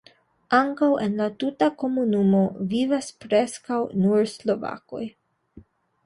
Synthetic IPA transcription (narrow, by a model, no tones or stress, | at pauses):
aŋkawe̞nlatutako̞munumo̞vivaspɾe̞skawnuɾslo̞va̰ko̞̰j